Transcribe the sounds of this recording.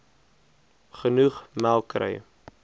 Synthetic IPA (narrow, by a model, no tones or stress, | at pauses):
χənuχmælˠkrə̰j